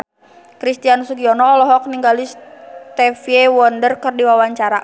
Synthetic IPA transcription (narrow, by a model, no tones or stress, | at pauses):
kɾist̪iansuɡiɔnɔːlɔɦɔk̚niŋɡalist̪ɛfiɛwɔndərkərdiwawaɲt͡ʃaɾa